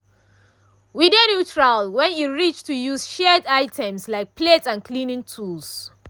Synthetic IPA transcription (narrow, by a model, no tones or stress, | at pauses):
widenjutʰɹalwɛ̃njuɹit͡ʃtʰujuz̥ʃɛdaɪtʰɛ̃mslaɪk̚pʰletãnkʰlĩnɪ̃ŋtʰuls